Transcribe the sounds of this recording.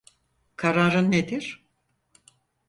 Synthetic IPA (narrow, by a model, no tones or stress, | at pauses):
kʰaɾaːɾɯnːed̪iɾ̥